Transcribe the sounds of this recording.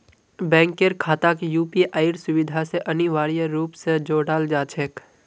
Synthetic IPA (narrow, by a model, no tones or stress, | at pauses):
bɛ̃ːŋkeɾkʰaːt̪akijuːpiʔaːɪɾsʊʋɪd̪ʱaseʔɐniʋaːɾijəɾuːpsed͡ʒoːɽaːld͡ʒaːt͡ʃʰeːk